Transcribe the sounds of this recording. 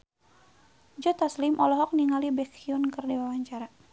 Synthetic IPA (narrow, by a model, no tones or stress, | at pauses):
d͡ʒɔt̪aslimʔɔlɔɦɔk̚niŋalibɛkiɔnkərdiwawaɲt͡ʃaɾa